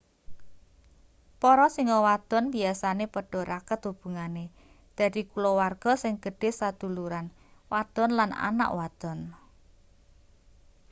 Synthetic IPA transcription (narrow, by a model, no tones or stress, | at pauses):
pɔɾɔsiŋɔwad̪̥ɔ̤nbiasanepəɖ̥ɔ̤ɾakət̪ub̥ṳŋane | d̪̥a̤d̪̥ikulɔwarɡ̥ɔ̤sɪŋɡ̥əɖ̥e̤hsad̪̥ṳluɾan | wad̪̥ɔ̤nlana̰na̰ʔwad̪̥ɔ̤n